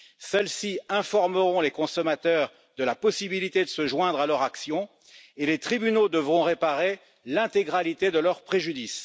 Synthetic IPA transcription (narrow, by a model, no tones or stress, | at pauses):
sɛlsiɛ̃fɔʁməʁɔ̃lekɔ̃sɔmat̪œʁ | d̪əlapɔsibilit̪ed̪əsəʒwɛ̃d̪ʁalœʁaksjɔ̃ | elet̪χibynod̪əvʁɔ̃ʁepaʁe | lɛ̃t̪eɡʁalit̪ed̪əlœʁpχeʒyd̪is